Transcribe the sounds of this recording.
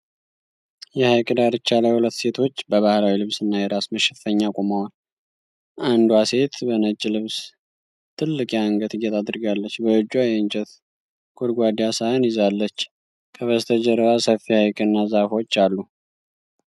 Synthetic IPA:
jɛhajkʼɨd̪aɾɨt͡ʃːalajhulət̪ːse̞t̪ʰo̞t͡ʃːbəβahlawilɨβsɨnːajɛɾasməʃɛfəɲːakʼomawal | ʔand̪wase̞t̪bənət͡ʃʼːlɨβs | t̪ʰɨlːɨkʼjaŋɡət̪ɨjːɛt̪ʰad̪ɨɾɡalːət͡ʃːbəɨd͡ʒːwajɛɨnt͡ʃʼɛt̪ | ɡ̥ʰʼod̪ɡʷad̪ijasajanjɪzalːət͡ʃː | kʰəβəst̪ʰəd͡ʒəɾβasəfːihajkʼɨnːazafo̞t͡ʃːalːu

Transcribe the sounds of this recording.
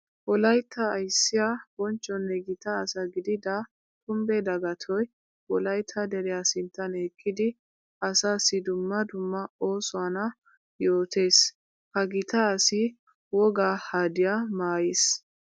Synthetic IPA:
wɔlɐjt̪ʰːɐːjsːɪjab̥ɔnt͡ʃʼːɔnːɛɡɪt̪ɐːsɐɡɪd̪ɪd̪ɐ | kʊmbɛd̪ɐɡɐt̪ʰɔj | wɔlɐjt̪ʰːɐd̪ɛɾɛjasɪnt̪ːɐneːkʰːɪd̪ɪ | ɐsaːsɪd̪ʊmːɐd̪ʊmːɐo̞ːsʊwɐnɐ | jo̞ːt̪e̞ːs | hɐɡɪt̪ɐːsɪ | wɔɡahaːd̪ɪjamaːjɪs

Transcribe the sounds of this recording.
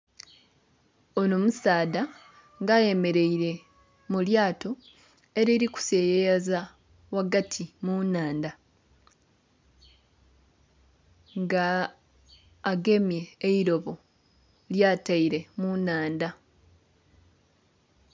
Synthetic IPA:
onomusaːda | ŋɡaje̞me̞ɾe̞iɾe̞ | muljaːto̞ | e̞ɾeɾiku̥se̞jejaza | waɡatʰimunaːnda | ŋɡa | ɡe̞mje̞ːiɾo̞βo̞ | ljaːtaiɾe̞munaːnda

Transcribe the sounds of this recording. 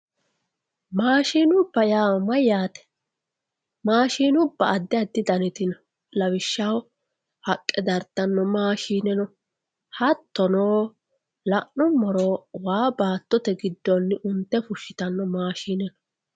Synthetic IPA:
maːʃiːnʊbːɐjaːmɐjaːt̪ɛ̥ | maːʃiːnʊbːɐɐd̪ːɪɐd̪ːɪd̪ɐnɛt̪ɪnɐ | lɐwɪʃːɐw | hɐkʼːɛd̪ɐɾt̪ːɐnːɔmaːʃiːnɛnɔ | hɐt̪ːɔnoː | lɐʔnʊmɔɾoːwaːbaːt̪ːɔt̪ɛɡɪd̪ːɔnːɪʔʊnt̪ːɛfʊʃɪ̥t̪ɐnːɔmaːʃiːnɛnɔ

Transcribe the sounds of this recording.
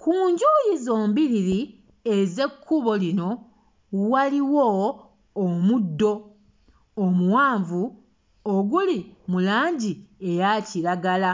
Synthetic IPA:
kuːɲɟuːjizo̞ːmbiɾiɾi | eze̞kʰːuβo̞lino̞ | waliwoː | mudːo̞ː | muwaːɱvu | oɡulimulaːɲɟie̞jaciɾaɡala

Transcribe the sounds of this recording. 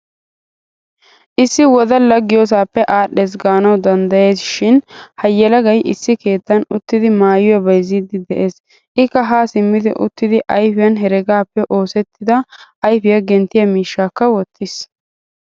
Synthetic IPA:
ʔɪsːɪwɔd̪ɐlɐɡːɪjos̬aːpːɛʔaːɗeːs̬ɡaːnɐwd̪ɐnd̪ɐje̞ːsʃɪnhɐjːɛlɐɡɐjʔɪsːɪke̞ːt̪ːɐnʊt̪ːɪd̪ɪmaːjʊɐbɐjziːd̪ɪd̪ɛʔe̞ːs | ʔɪkːɐɦaːsɪmːɪd̪ɪ̰ʔʊ̰t̪ːɪd̪ɪʔɐjfɪjɐnɦɛɾɛɡaːpːɛʔoːsɛt̪ːɪd̪ɐʔɐjfɪjɐɡɛnt̪ːɪjɐmiːʃːaːkːɐwɔt̪ʰːɪs

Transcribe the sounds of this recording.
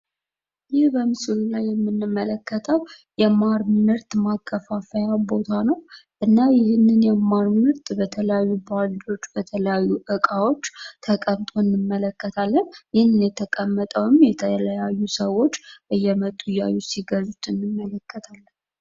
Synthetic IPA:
jɪhbəmɨsɨlulajːɛmːɨnːɨmːələkːət̪ʰəw | jɛmaɾmɨɾt̪makʰːəfafəjabo̞t̪ʰanəwʔɨnːajɪhnːɨnjɛmaɾmɨɾt̪bət̪ʰələjajːubald͡ʒo̞t͡ʃːbət̪ʰələjajːuʔɨkʼawo̞t͡ʃːt̪ʰəkʼəmt̪ʼʰo̞nːɨmːələkːət̪ʰalːənjɪhnɨnjɛt̪ʰəkʼəmːət̪ʼəwɨmjɛt̪ʰələjajːusəwo̞t͡ʃːʔɨjːɛmət̪ʼːuja̰jːusiɡəzut̪ɨnːɨmːələkʰːət̪ʰalːən

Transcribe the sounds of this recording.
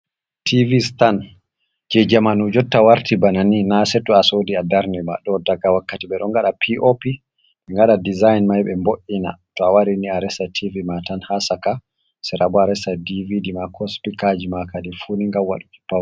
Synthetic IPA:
tʰivistan | d͡ʒɛd͡ʒamanud͡ʒɔtːawaɾtibananinasɛtːuasodiadaɾnɛma̰ɗɔdaɡawakːatiɓɛɗɔŋɡaɗapʰiʔopi | mɛŋɡaɗadizajnmajɓɛmboʔina̰tɔawaɾiniaɾɛsatʰivimatanhasaka | sɛɾʔabɔaɾɛsadividimakʰɔspikad͡ʒimakadɛfuniŋɡawa̰ɗuki̥pːaw

